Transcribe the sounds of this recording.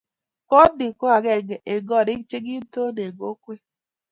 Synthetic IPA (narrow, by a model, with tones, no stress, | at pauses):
kɔ˦di˨ku˦a˨ɡɛ˨ɡe˨ɡɔ˦˨ɾɪ˦t͡ʃe˦ɡi˦to˦ne˨ɡo˦kʷe˦